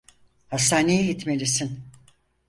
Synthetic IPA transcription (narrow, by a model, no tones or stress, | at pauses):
hast̪aːnejiɦit̪melʲisin